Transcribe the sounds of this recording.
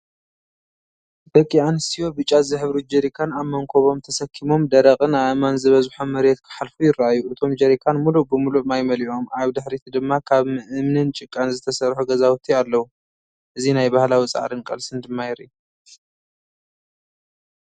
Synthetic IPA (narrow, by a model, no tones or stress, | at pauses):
b̪ɐkʼːianɨst̪ʰijo̞bɨt͡ʃʼːazɨħɨβɾud͡ʒɐɾikʰanaβmɐŋkʰoβo̞mt̪ʰɐsɐkʰːimo̞md̪ɐɾɐkʼɨnaʔɨmanzɨβɐzħomːɐɾet̪kʰɨ̥ħalfujɪrːaʔajːuʔɨt̪ʰo̞md͡ʒɐɾikʰanmulubɨmuluʔmajmɐliʔo̞mʔaβd̪ɨħɾit̪ʰid̪ɨmːakʰaβmɨʔɨmnɨnt͡ʃʼɪkʼːanzɨt̪ʰɐsɐɾħuɡɐzawt̪ʰialːɐwu | ʔɨzinajbahlawit͡sʼa̰ʕɾɨnkʼɐ̰lsɨnd̪ɨmːajɪɾḭ